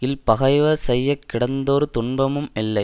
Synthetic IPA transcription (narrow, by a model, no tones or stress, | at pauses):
ɪlpɐɣɐɪʋɐsɛjːɐkːɪɽɐnd̪oːɾɯt̪ʊɳbɐmɯmɛlːɐɪ